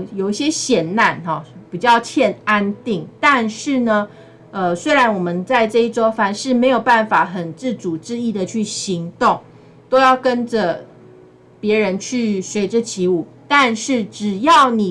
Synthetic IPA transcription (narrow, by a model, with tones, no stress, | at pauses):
jo˨˩ʊi˥˩ɕjɛ˥ɕjɛ˨˩nna˥˩nɦɑ˨˩pi˨˩t͡ɕjɑ˥˧ʊt͡ɕʰjɛ˥˧na˥nt̪i˥˩ŋt̪a˥˧nʂɻ̩˥˩nə˩ | ə˨swe˥ɪɻa˧˥nwɔ˨˩mə˦nt͡sa˥˧ɪʈ͡ʂɤ˥˧i˥˩t͡so˥ʊfa˧˥nʂɻ̩˥˩me˧˥ɪjo˨˩ʊpa˥˩nfa˨˦xə˨˩nt͡sɻ̩˥˩t͡su˨˩ʈ͡ʂɻ̩˥˧i˥˩d̪ə˨t͡ɕʰy˥˩ɕi˧˥ŋt̪ʊ˥˩ŋ | t̪o˥ʊjɑ˥˩ʊkə˦˥nd͡ʒə˨ | pjɛ˨˧˥ɻə˧˦nt͡ɕʰy˥˩ʂwe˧˥ɪʈ͡ʂə˧t͡ɕʰi˧˥u˨˩t̪a˥˧nʂɻ̩˥˩ʈ͡ʂɻ̩˨˩jɑ˥˩ʊni˨˩